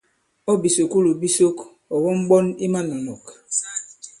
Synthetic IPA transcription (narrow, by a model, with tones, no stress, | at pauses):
ɔ˦bi˨so˨ku˦lu˨bi˦so˦k | ɔ˨wɔ˦m̩˦ɡ͡bɔ˦ni˦ma˦nɔ˨nɔ˨k